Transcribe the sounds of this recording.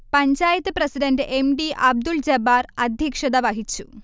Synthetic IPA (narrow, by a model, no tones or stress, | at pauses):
pɐɲd͡ʑaːjɐt̪ːɨprɐsiɖɐndɨʔemɖiʔɐb̚d̪uld͡ʑɐbaːrɐd̪ʱjɐkʂɐd̪ɐʋɐɦit͡ɕːṵ